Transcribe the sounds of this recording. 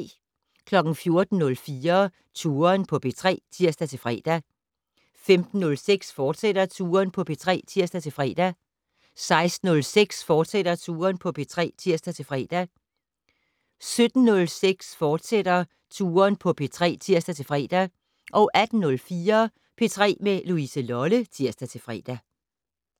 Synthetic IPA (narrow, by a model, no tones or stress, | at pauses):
kʰlɒ̽ɡ̥n̩fjo̝ɐd̥n̩nɔ̽lfiːɐ | t͡sʰuːɐnpʰɒ̽pʰe̝t͡sʰʁɛ̰ːt͡sʰiɐ̰sd̥æt͡sʰe̝lfʁɛ̰ːd̥æ | femd̥n̩ːɔ̽lseɡ̥sfɒːd̥seɾ̥ɐt͡sʰuːɐnpʰɒ̽pʰe̝t͡sʰʁɛ̰ːt͡sʰiɐsd̥æt͡sʰe̝fʁɛ̰ːd̥æ | sɑ̈ɪsd̥n̩ɔ̽lseɡ̥sfɒːd̥sed̥ɾ̥ɐt͡sʰuːɐnpʰɒ̽pʰe̝t͡sʰʁɛ̰ːt͡sʰiɐ̰sd̥æt͡sʰe̝lfʁɛ̰ːd̥æ | sød̥n̩nɔ̽lseɡ̥sfɒːd̥sed̥ɐ | t͡sʰuːɐnpʰɒ̽pʰe̝t͡sʰʁɛ̰ːt͡sʰiɐ̰sd̥æt͡sʰe̝lfʁɛ̰ːd̥æ | ʔɒ̽ʔæd̥n̩nɔ̽lfiːɐ | pʰe̝t͡sʰʁɛ̰ːmeluisəlɒlət͡sʰiɐsd̥æt͡sʰe̝fʁɛ̰ːd̥æ